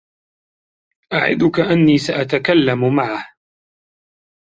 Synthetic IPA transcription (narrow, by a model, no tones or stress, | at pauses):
ʔaʕɪ̰d̪ʊkaʔanːiːsaʔat̪akalːamʊmaʕah